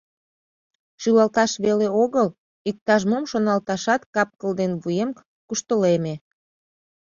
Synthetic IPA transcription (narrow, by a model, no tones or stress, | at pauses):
ʃylɑlt̪ɑʃβeleoɣəl | ik̚t̪ɑʒmomʃonɑlt̪ɑʃɑt̪kɑp̚kəld̪enβujem | kuʃt̪əleme